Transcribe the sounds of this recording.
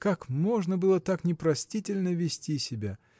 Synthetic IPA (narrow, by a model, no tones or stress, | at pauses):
kakmo̞ʐnəbɨlˠət̪aknʲɪpɾɐsʲtʲitʲɪlʲnəvʲɪsʲtʲisʲɪbʲa